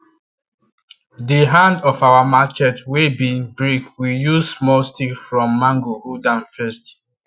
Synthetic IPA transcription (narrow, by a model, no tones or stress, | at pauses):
diɦãndɔfawamat͡ʃɛtwebĩnbɹikwijuzsmɔlstikfɹɔ̃mːãŋɡohudãnfɛst